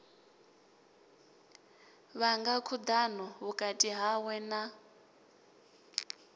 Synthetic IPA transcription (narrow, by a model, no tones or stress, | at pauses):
βaŋɡakʰud̪anɔɦukʼatʼiɦawɛna